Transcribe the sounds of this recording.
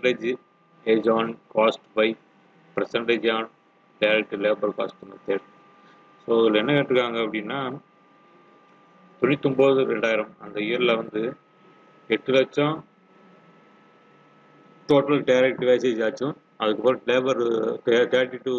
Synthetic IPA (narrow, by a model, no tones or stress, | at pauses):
ɳɖeːd͡ʒ | eːd͡ʒaːnkaːsʈbɐɪ | pɪɾɐsɐɳɖeːd͡ʒaːn | ɖɐɪɾɛk̚ʈːleːbɐɾka̰ːsʈɯnːɐt̪eːʈ | soːɣɐlɛnːɐkɐʈɾɯkːaːŋɡɐɐpːɐɽɪnːaː | t̪ʊɳɪt̪ːʊmboːðɯɾɛɳɖaːjɪɾɐmɐnd̪ɐɪjɐɾɪlɐʋɐnd̪ɯ | ɛʈːɯlɐt͡ʃːã | ʈoːʈɐlɖɐɪɾɛk̚ʈʋeːseːd͡ʒaːt͡ʃːʊ̃ | ɐðɯkːɯpːoːɾɐleːbɐɾkɐjɾɐkʈːɪʈːɯ